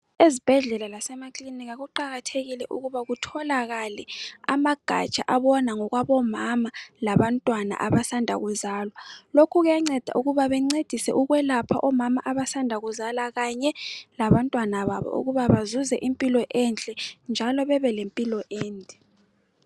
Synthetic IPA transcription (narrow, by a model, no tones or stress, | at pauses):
ezib̥ʱɛɮɛlalasɛmakʰʼliniɣaɣuǃaɣatʰeɣilɛʔuɣuβaɣutʰɔlaɣalɛamaɡ̥ʱa̰t͡ʃʼa̰ʔaβɔnaŋɔɣwaβɔmamalaβantʼwana̰ʔaβasandʱa̰ɣuzaːlwalokʰuɣujaŋ͡ǀɛd̥ʱa̰ʔuɣuβaβɛŋ͡ǀed̥ʱisɛ̰ʔuɣwɛlapʰaʔɔmamaʔaβasandʱaɣuzalaɣaɲɛlaβantʼwanaβa̰βɔ̰ʔṵɣuβaβazuzɛʔimpʼilɔʔɛnt͡ɬʼɛnd͡ʒʱalɔβɛβɛlempʼilɔʔɛːndʱɛ